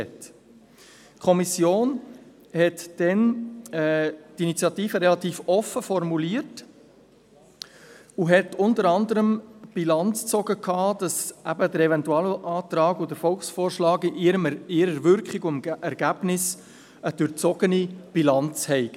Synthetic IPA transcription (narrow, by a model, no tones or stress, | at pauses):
ɛt | kʰɔmisjoːn | hɛtd̥ɛnɛtinit͡sjɑtiːfəɾɛlɑt̪iːfɔfəfɔɾmuliəɾt | uɦɛtʊntəɾɑnd̪əɾəmb̥ilɑnt͡st͡sɔɡəkʰːɑːd̥ɑsʔæbəd̥əɾɛvɛntuɑləʔɑːt̪ɾɑːɡʊdəɾfɔlksfoːɾʃlɑːɡiəmɪɾəɾvʏɾkχɪɡʊmʔɛɾɡ̥æb̥nɪs | əd̥ʉɾt͡sɔɡənib̥ilɑnt͡shɛɪɡ